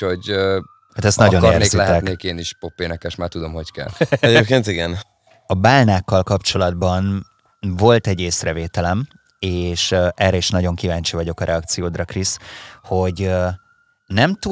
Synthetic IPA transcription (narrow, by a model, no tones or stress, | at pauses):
hoɟ | hat̪ɛst̪nɒɟonreːnreːkzilɛɛk̪neːkeːniʃpopːeːnɛkɛʃmaːrt̪ud̪omho̞ckɛ̰lɛɟeːpkeːnt̪iɡɛn | ɒbaːlnaːkːɒlkɒpt͡ʃo̞lɒd̪bɒn | vo̞lt̪ɛɟːeːsrɛveːt̪ɛlɛm | eːʃʔɛrɛiʃnɒɟo̞ŋkivaːɲt͡ʃivɒɟo̞kɒɾɛɒk̚t̪sijoːd̪rɒkrisho̞ɟ | nɛmt̪u